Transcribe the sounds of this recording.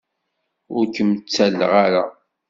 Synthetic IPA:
ʊɾkəmt͡sːælːəʁaɾa

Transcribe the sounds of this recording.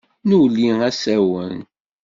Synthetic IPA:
nuwlːiŋæsæwən

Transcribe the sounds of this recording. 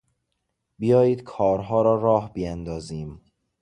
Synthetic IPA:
bijɒːjiːd̪̥kʰɒːɾɦɒːɾɒːɾɒːhbijænd̪ɒːziːm

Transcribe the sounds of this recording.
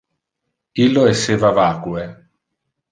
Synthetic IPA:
ilːoeseːvavaːkwe

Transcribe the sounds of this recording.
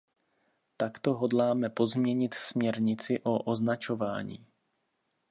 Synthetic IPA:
t̪akt̪o̞ɦodlaːmɛpo̞zmɲɛɲɪt̪smɲɛɾɲɪt͡sɪʔo̞ʔoznat͡ʃo̞vaːɲḭː

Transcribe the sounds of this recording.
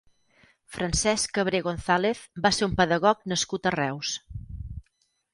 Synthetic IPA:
fɾənsɛskəβ̞ɾeɣonθaleθbaseɾumpəðəɣɔknəskut̪ərɛws

